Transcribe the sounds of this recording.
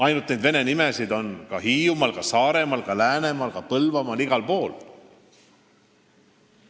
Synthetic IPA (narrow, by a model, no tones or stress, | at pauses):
ɑjnult̪ːˑnejd̪ve̞ne̞nimesid̪o̞nkɑɦiːjumɑlkɑsɑːɾe̞mɑlkɑlæːne̞mɑlkɑpɤlvɑmɑliɡ̥ɑlpo̞ːl